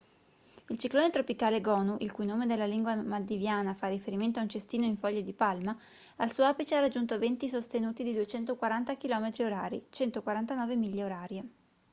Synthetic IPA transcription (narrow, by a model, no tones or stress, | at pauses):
ilt͡ʃikloːnet̪ɾopikaːleɡɔːnuʔilkujnoːmed̪elːaliŋɡwamad̪ivjaːnafarːifeɾiment̪oaunt͡ʃest̪iːnoiɱfɔʎːad̪ipalma | alsuːapit͡ʃearad͡ʒːunt̪ovent̪isost̪enuːt̪id̪id̪uet͡ʃɛnt̪okwaɾant̪akilɔːmet̪ɾioɾaːɾḭt͡ʃɛnt̪okwaɾant̪anɔːvemiʎːeoɾaːɾje